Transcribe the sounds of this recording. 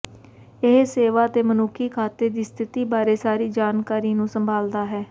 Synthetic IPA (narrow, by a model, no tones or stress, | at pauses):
ɪɦseːʋaːt̪eːmənʊkʰiːkʰaːt̪eːd̪iːst̪ʰɪt̪iːbaːɾeːsaːɾiːd͡ʒaːnkaːɾiːnũːsəmbʱaːld̪aːɦɛː